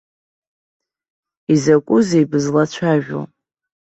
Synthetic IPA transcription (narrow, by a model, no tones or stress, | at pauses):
izakʷʼʊzejbɨzlat͡ɕʷʰaʒᶣo̰